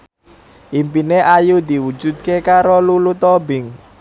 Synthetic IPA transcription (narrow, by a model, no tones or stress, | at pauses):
ʔimpineʔajud̪iwu̥d͡ʒ̥ṳd̪̚kekaɾolulut̪ɔbɪŋ